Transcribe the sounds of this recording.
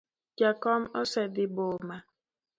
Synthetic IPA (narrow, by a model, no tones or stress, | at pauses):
d͡ʒakɔmosɛdiboma